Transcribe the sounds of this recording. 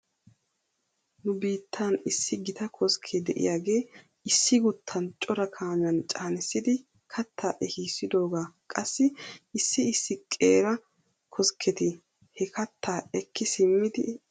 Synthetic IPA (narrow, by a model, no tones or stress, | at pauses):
nʊbiːt̪ʰːaːnɪsːɪɡɪt̪ɐkʰɔskʰːɛd̪ɛʔɪ̰jaːɡe̞ː | ɪsːɪɡʊt̪ʰːɐnt͡ʃʼɔɾɐkʰaːɲɐnt͡ʃʼaːnɪsːɪd̪ɪ | kʰɐt̪ʰːaːʔɛhiːsːɪd̪o̞ːɡaːkʼɐsːɪɪsːɪɪsːɪkʼeːɾɐ | kʰɔskʰɛt̪ɪ | hɛkɐt̪ʰːaːɛkːɪsɪmːɪd̪ɪ